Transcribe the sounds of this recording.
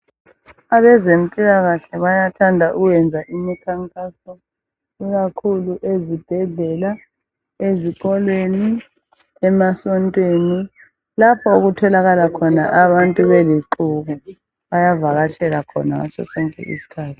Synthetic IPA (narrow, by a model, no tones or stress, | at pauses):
aβɛzem̩pʼilaɣaɬɛβajatʰandʱaʔuwɛnd͡zʱaʔimikʰaŋkʼasɔ | iɣ̬akʰuluʔezib̥ʱɛɮɛla | ezikɔlweni | ɛmasɔntʼweni | lapʰɔuɣutʰɔlaɣalakʰɔna̰ʔaβantʼuβɛliǃuɣu | βajavaɣat͡ʃʰɛlakʰɔ̰na̰sɔ̰sɛŋɛ̰ʔḭsi̥kʰaːtʰu̥